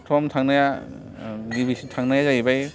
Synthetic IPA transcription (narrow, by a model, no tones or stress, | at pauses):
tʰɔmtʰaŋnaja | libisitʰaŋnajazaibaj